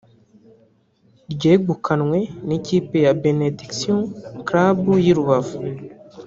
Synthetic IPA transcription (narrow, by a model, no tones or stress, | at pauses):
ɾɟeːɡukʰanŋwe̞neciːpe̞jabenediksijõkɾabujiɾuβavu